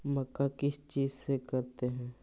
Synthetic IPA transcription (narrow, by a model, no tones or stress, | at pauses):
mɐkakɪst͡ʃiːzsekɐɾt̪eɦɛ̃ː